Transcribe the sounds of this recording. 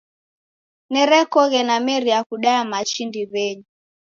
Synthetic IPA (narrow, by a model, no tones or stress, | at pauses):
nɛɾɛkɔɣɛnamɛɾiakuɗajamaʃindiβɛɲi